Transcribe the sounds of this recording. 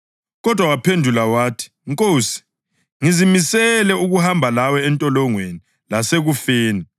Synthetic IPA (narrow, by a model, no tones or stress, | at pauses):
ɣɔd̥ʱwawapʰendʱulawaːtʰi̥ŋkʼoːsi̥ | ŋizimisɛlɛuɣuhambʱalawɛɛntʼɔlɔŋweni | laseɣufeːni